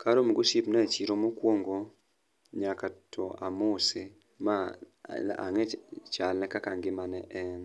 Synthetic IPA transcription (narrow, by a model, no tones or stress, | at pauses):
kʰaɾomɡosipnat͡ʃiɾomokwoŋɡo | ɲakatʰɔamose | ma | a̰ŋɛt͡ʃalnɛkakaŋɡɪmanɛʔɛn